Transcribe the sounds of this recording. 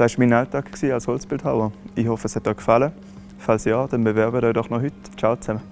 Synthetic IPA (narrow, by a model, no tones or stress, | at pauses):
d̥aːɪʃmiːnaltaːkksiːalshɔlsb̥ɪlthaʊəihɔfəshɛt̚ːɔkfalə | falsjɑːd̥ɛnbəvɛɐbədɔɪdɔχnɔhyt | t͡ʃaʊt͡sɛmə